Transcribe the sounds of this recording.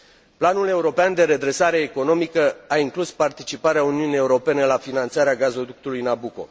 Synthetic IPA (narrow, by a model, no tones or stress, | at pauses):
planule̞uɾo̞peand̪e̞ɾe̞d̪ɾe̞saɾe̞ːko̞no̞mikəaiŋkluspart̪it͡ʃipaɾeauniunije̞uɾo̞pe̞ne̞lafinant̪saɾeaɡazo̞d̪uk̚t̪ulujnabuko̞̰